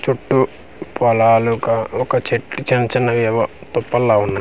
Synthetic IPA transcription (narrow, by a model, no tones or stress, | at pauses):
t͡ʃuʈːu | pɔlaːlukɐɔkɐt͡ʃeʈːit͡ʃɐnɐt͡ʃɐnːɐʋɛʋɐt̪ɔpːɐlːaːunːa